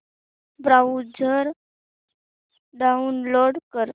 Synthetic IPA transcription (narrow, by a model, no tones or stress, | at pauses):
bɾaud͡zʱəɾ | ɖaunloɽkəɾ